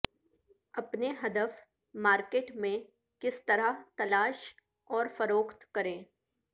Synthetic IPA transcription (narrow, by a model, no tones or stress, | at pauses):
ɐpneɦɐd̪əf | maːɾkeːʈmẽ | kɪst̪ɐɾaɦt̪ɐlaːʃ | ɔːɾfɐɾoːkt̪kɐɾẽː